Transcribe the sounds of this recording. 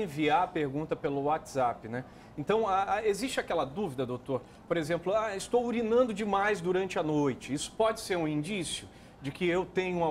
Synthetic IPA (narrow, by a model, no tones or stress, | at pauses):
ẽviaɐpeɾɡũnt̪ɐpelʊwat͡ʃz̥apɪnɛ | ẽnt̪ɐ̃w̃aaezist͡ʃɪakɛlɐd̪uvid̪ɐd̪owt̪oɾ | poɾezẽmplʊaɪst̪owuɾinɐ̃nd̪ʊd͡ʒɪmajzd̪uɾɐ̃nt͡ʃɪɐnojt͡ʃɪisʊ̥pɔd͡ʒɪseɾũĩnd͡ʒisjʊ | d͡ʒɪkɪewt̪ẽɲʊũɐ